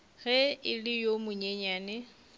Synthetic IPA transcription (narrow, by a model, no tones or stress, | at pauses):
ɣɛɪlɪjomʊɲɛɲaːnɛ